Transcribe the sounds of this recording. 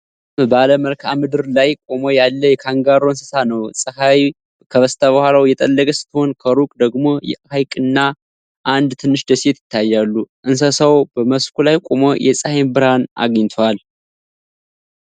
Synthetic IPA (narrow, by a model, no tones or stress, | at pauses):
baləməlkʰamɨd̪ɨɾlajkʼomojalːəjɛkʰaŋɡaɾoɨnsə̥sanəwsʼəhaj | kʰəβəst̪ʰaβəhʷalawjɛt̪ʼəlːəkʼəsɨ̥t̪ʰːho̞nkʰəɾukʼd̪əɡmo̞jɛ̰ʔhajkʼɨnːa | ʔand̪t̪ʰɨnːɨʃd̪əset̪jɪt̪ʰːajːalːuʔɨns̬əsawbəməskulajkʼomojɛsʼəhembɨɾhana̰ɡɲt̪ʰwal